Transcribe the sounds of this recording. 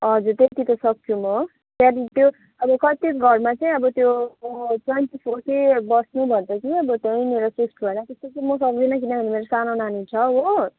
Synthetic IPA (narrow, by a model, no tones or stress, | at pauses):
ɦʌd͡zurt̪et̪it̪ʌsʌk̚sʰumʌ | t̪aɾit̪jo | ʌbʌkʌt̪ikɡʱʌrmat͡sʌĩʌbʌt̪jo | t͡sʌnt͡sipʰoʈebʌsnubʱʌnd̪ʌkiʌbʌt̪jaĩneɾʌsisʈbʱʌnat̪est̪ot͡sʌmʌsʌɡinʌkinabʱʌnemeɾosanonanit͡sʰʌɦo